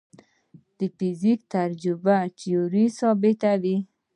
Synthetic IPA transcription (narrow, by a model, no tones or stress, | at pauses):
d̪̥əfɪzikt̪aɾd͡ʒʊbat͡ʃijoɾisɑbɪt̪awi